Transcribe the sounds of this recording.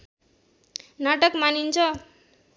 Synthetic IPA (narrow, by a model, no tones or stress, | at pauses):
nʌʈʌkmanint͡sʰʌ